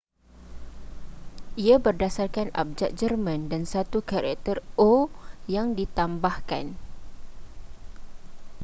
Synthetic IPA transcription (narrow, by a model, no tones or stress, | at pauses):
ʔiabərdasarkana̰p̚d͡ʒaʔ̪̚d͡ʒərmãndansat̪ukaɾa̰k̚t̪ərojaŋdit̪ambahka̰n